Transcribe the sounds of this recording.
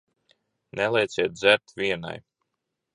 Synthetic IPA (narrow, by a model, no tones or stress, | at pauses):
nɛlˠɛjt̪siɛt̪̚d̪zʲæɾt̪vʲiɛna̰j